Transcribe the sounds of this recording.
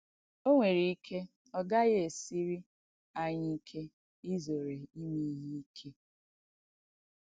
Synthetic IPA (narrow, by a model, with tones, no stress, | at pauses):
o˦ŋʷe˨ɾi˨i˦kʰe˦ | ɔ˦ɡa˦ɣe˦e˨si˦ɾi˦ | a˨ɲɪ˦i˦kʰe˦ | i˦zo˨ɾe˨i˦mi˦ɦi˦i˦kʰe˦